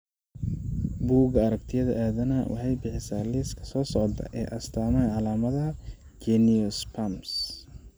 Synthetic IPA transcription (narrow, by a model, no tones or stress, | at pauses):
buːɣɐɐɾɐkt̪ʰɪjɐðɐʔaːðɐnawɑ̰ħɑjbɪħɪsaːliːskʰɐ̥sɔːsɔʕt̪ʰɐ̰ʔɛ̰ːʔɐst̪ʰaːmɐʕɑlaːmɐðɐ | d͡ʒɛniɔspʰams